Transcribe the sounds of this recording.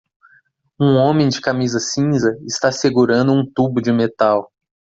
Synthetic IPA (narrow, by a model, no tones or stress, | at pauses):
ũõmẽj̃d͡ʒɪkamizɐsĩzɐɪst̪aseɡuɾɐ̃nd̪ʊũt̪ubʊd͡ʒɪmet̪aw